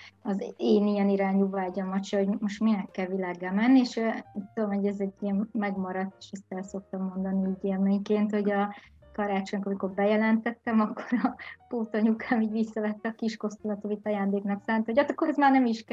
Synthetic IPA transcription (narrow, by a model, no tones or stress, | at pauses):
ɒzeːnijɛniɾaːɲuvaːɛɟɒmɒt͡ʃjɒho̞ɟmo̞ʃt̪minɛkːɛlvilaːɡɛlmɛnːieʃit̪ːud̪omhoɟɛzɛɟːijɛmːɛɡmɒɾɒt̪ːe̥ʃɛst̪ɛlso̞k̚t̪ɒmːo̞nd̪ɒniiːɟermeːɲkeːnt̪ho̞ɟɒ | kɒɾaːt͡ʃo̞ɲkɒmiko̞rbɛjɛlɛnt̪ɛt̪ːɛmɒkːo̞̥ɾɒpoːt̪ɒɲukʰaːmiːɟʋisːɒvɛt̪ːɛːkiʃko̞st̪ulɒt̪ovit̪ːɒjaːnd̪eːknɒksaːnt̪ɛhoɒt̪ɒkːoɾɛzmaːrnɛmiʃk